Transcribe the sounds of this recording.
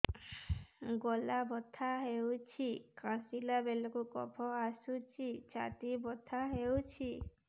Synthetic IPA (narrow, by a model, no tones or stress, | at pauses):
ɡɔlabɔt̪ʰaɦewt͡ʃʰikãsilabelɔkukɔ̰pʰɔasut͡ʃʰit͡ʃa̰t̪ibɔt̪ʰaɦewt͡ʃʰi